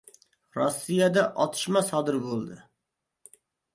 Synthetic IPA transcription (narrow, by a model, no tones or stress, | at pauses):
ɾɑsːɨjɛd̪ɛʔɑt̪ʰɨ̥ʃmɑsɑːd̪ɨɾbolˠd̪ɨ